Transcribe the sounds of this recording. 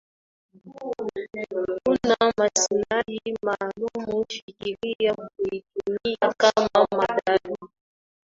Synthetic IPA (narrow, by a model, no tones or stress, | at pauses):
kunamasinajimalumuʃikiɾijakuitumijakamamaɗalu